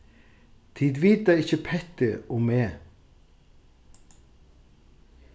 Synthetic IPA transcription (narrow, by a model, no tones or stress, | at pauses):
t̪ʰiːd̪ʋiːd̪æɪçəpʰɛt̪əʊmeː